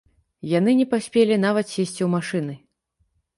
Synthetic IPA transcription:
janɨnʲɛpasʲpʲelʲinavɐt̪sʲesʲt͡sʲiwmaʂɨnɨ

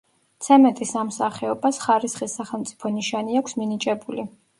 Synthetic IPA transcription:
t̪sʰɛmɛt̪ʼisamsaχɛɔbasχaɾisχisːaχɛlˠmt̪sʼi̥pʰɔniʃaniakʷʰsminit͡ʃʼɛbuli

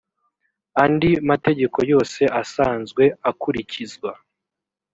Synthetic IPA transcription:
andimate̞ɟe̞ko̞jo̞ːse̞ʔasaːnzɡwe̞akuɾicizɡwa

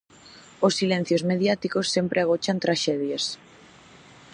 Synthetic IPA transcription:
osːilẽn̟θjozmeðjat̪ikosːempɾeaɣ̞ot͡ʃant̪ɾaʃɛðjas

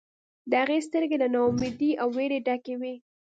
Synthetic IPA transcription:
d̪əhaɣest̪əɾɡelanaumɪd̪iʔawːeɽeɖakewi

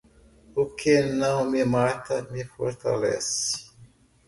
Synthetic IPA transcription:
ʊkʰenɐ̃w̃mɪmat̪ɐmɪfo̰ɾt̪a̰lɛ̰sɪ̥

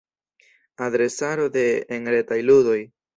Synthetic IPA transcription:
adɾe̞saɾo̞de̞ːŋɾetajludo̞j

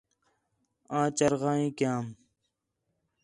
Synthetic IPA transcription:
ãːt͡ɕɐɾɣãːĩːkjãːm

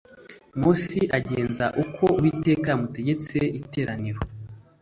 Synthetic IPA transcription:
musiʔaɟe̞ːnzaʔukʰo̞wiːte̞ːkamute̞ɟe̞t͡seite̞ːɾaniɾo

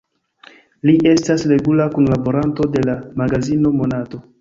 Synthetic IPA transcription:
liʔe̞stasɾe̞ɡulakunlabo̞ɾanto̞de̞lamaɡazino̞mo̞nato̞

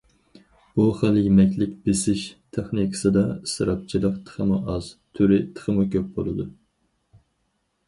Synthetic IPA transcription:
b̥uχæljemɛkʲlɪkʲbɪsɪʃt̪ʰeχnikʰə̥sɨd̪ɑsɨɾɑp̚t͡ʃʰilˠəqt̪ʰə̥χʰəmuʔɑz̥t̪ʰyɾɪt̪ʰə̥χəmukʲʰøp̚bolˠɨd̪u

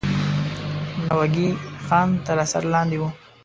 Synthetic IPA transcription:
nawaɡixɑnt̪əɾasa̰ɾlɑnd̪ewu

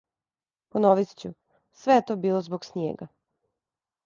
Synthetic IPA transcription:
ponoʋist͡ɕu | sʋejet̪o̞biːlˠozboɡsnʲjḛːɡa

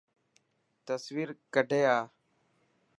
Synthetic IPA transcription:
t̪əsʋiːɾkəɖʱeːaː

